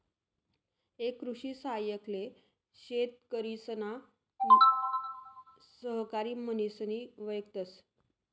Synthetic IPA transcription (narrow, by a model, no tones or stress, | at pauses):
ekːɾuɕiːsaɦjəkle | ɕet̪̚kəɾisəna | səɦkaɾiːmənisəniːʋəjk̚t̪əs